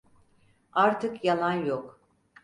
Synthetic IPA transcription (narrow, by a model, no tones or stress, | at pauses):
aɾt̪ʰɯkjalˠanjok